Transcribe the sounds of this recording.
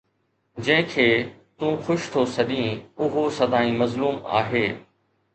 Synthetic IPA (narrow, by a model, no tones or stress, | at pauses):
d͡ʑɐ̃ɦɪ̃kʰeːt̪ũːxʊʃt̪ʰosɐɗĩːʊɦosɐd̪ʱaːĩmɐzluːma̰ːɦeː